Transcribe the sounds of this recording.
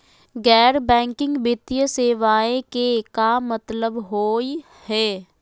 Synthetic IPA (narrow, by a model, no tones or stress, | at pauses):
ɡɛːɾbɛ̃ːŋkɪ̃ŋɡbɪt̪ijəseːʋaːẽkekamət̪ləbɦoːi | hɛː